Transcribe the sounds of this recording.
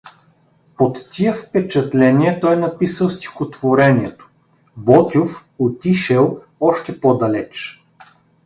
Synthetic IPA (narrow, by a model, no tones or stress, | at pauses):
pot̪ːiəfpɛt͡ʃɐt̪lɛnʲiɛt̪ɔjnɐpisəlˠst̪ʲi̥xot̪voɾɛniɛt̪o̥ | bɔt̪ʲof | ot̪iʃɛlˠ | ɔʃt̪ɛpɔd̪ɐlɛt͡ʃ